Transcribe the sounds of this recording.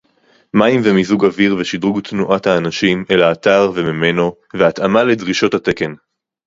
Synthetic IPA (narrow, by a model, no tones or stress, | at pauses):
maimvemizuɡaviʁveʃid̪ʁuɡt̪nuʔathaːnaʃimelaːt̪aʁvemime̞no̞ | veat̪amaledʁiʃo̞that̪e̞ken